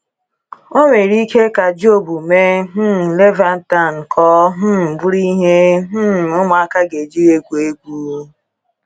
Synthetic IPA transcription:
o˦ŋʷe˨ɾi˦kʰe˦ka˨d͡ʒo˦˨bu˨me˦ɦ̩˦˨le˦va˨n̩˦ta˦˨n̩˨kʰɔː˦ɦ̩˦˨bʊ˦ɾi˦ɦe˦ɦ̩˦˨ʊ˦ma˨a˦ka˦ɡe˨d͡ʒi˦ɾe˦kʷu˨e˦ɡʷu˦

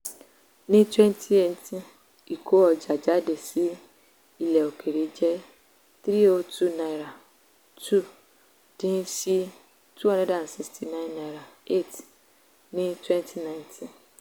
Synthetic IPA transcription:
nĩ˦twɛ̃˦ntʰi˦e˦˨n˦tĩ˦ | i˨kʰo˦ɔ˨d͡ʒa˨d͡ʒa˦de˨si˦ | i˦˨lɛ˨o˨kʰe˨ɾe˨˦d͡ʒɛ˦ | t̪ɾi˦o˦tʰu˦nã˨ɾa˨ | tʰu˦˨ | d̥ĩ˦n˦si˦ | tʰu˦ɔ̃˦nã˦dã˨n˨si˨kstʰi˨nã˦ɪ̃˦nːã˨ɾa˨e˦˨t | nĩ˦twɛ˦ntʰi˦nã˦j̃ntʰĩ˦

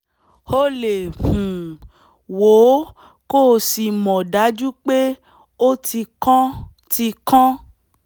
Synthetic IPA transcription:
ho˦le˨hũ˨ | wo˨˦ | koː˦˨si˧mɔ̃˨da˨˦d͡ʒu˦k͡pe˦ | o˦ti˧kɔ̃˦ | ti˧kã˦

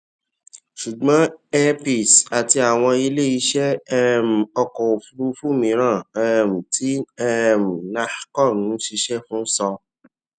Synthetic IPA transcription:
ʃu˨ɡ͡bɔ̃˦ɛ˦pi˨sa˨ti˧a˨w̃ɔ̃˧i˧le˦˨i˧ʃɛ˦ɛ˦m̩˨ɔ˧kɔ˨o˨fu˧ɾu˧fu˦˨mĩ˨˦ɾ̃ã˦˨˦m̩˨tʰi˦ɛ˦m̩˨na˧hkɔ˦˨nũ˨˦ʃi˧ʃɛ˦fũ˦sɔ˧

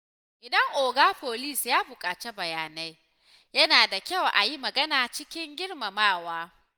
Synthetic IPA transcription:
ʔɪ˨dɐ˦ŋʔoː˨ɡaː˦ɸoː˨li˦˨sjaː˦bʊ˨kʼaː˨t͡ʃe˦bɐ˨jaː˨na˦j | jɐ˦naː˨da˨kʲɐ˦˨wʔa̰˨ji˦mɐ˨ɡɐ˦naː˨t͡ʃɪ˦kʲɪ˦ŋɡʲɪ˦ɽma˨maː˦˨waː˦

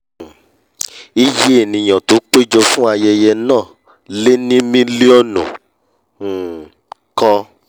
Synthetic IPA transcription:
i˧je˦e˦˨nĩ˨j̃ã˨to˨˦k͡pe˦d͡ʒɔ˧fũ˦a˧jɛ˧jɛ˧nãː˦˨ | le˦nĩ˦mĩ˦li˦ɔ˦˨nṵ̃˨ | kɔ˦˧

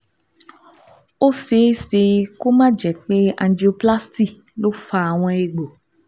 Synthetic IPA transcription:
o˦se˨˦se˨ko˦mã˦d͡ʒɛ˨k͡pe˦ã˨ndi˨o˨pla˦sti˦ | lo˦fa˨w̃ɔ̃˦e˦ɡ͡bo˨

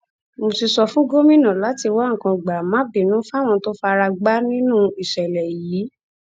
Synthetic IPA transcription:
mo˧ti˧sɔ˧fũ˦ɡo˦mĩ˦˨nã˨la˨˦ti˧wa˦ŋ̩˨kã˧˨ɡ͡ba˨mã˨˦bi˨nũ˨˦fa˦˨w̃ɔ̃˧to˦fa˧ɾa˧ɡ͡ba˦nĩ˦nũ˦i˨ʃɛ˨lɛ˨jiː˨˦

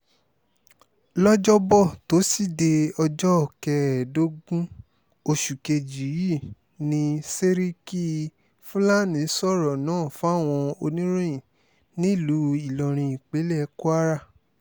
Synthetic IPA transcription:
lɔ˦d͡ʒɔ˦bɔ˦˨to˨˦si˦˨de˧ɔ˧d͡ʒɔ˦˨kɛ˧˨do˦ɡũ˦ | o˧ʃu˨ke˧d͡ʒi˨ji˦˨ | nĩ˧se˦ɾi˦ki˦ | fu˦la˦nĩ˨˦sɔ˦˨ɾɔ˨nãː˨˦˨fũ˨˦a˦˨w̃ɔ̃˧o˧nĩ˦ɾ̃ĩ˦ĩ˨ | nĩ˦˨lu˨˦i˦˨lɔ˨ɾ̃ĩ˧i˨k͡pe˨˦lɛ˦˧ko˦a˦ɾa˦˨

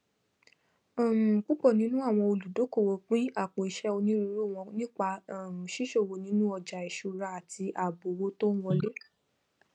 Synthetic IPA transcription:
ɔ˦˨m̩˨k͡pu˦k͡pɔ˦˨nĩ˦nũ˦a˦˨w̃ɔ̃˧o˧lu˨do˨˦ko˦˨wo˧k͡pĩ˦a˦˨k͡po˨i˧˨ʃɛ˦o˧nĩ˦ɾĩ˧˦ɾu˦˨w̃ɔ̃˧nĩ˦k͡pa˧˦˨ʃi˦ʃo˦˨wo˨nĩ˨˦nũ˦ɔ˧d͡ʒa˨i˨ʃu˧˨ɾa˧˦a˨tʰi˧ʔa˨bo˨wo˦to˦w̃ɔ̃˧le˦

